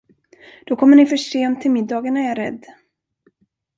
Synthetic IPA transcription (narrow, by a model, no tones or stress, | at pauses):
d̪̥ɔkʰɔmːəɳɪfœʂeːɔmt̪ʰːɪlmɪd̪ːɑːɡaɳaæɾɛ̰d̪ː